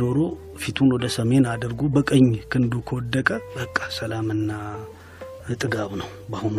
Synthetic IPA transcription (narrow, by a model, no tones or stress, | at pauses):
oɾo̞ | fit̪ʰunwɔd̪əsəme̞nad̪əɾɡobəkʼəɲːkʰɨnd̪ukʰəwɔd̪ːəkʼəbəkʼːḁsəlamɨnːa | ɨt̪ʼɨɡaβnəwbahun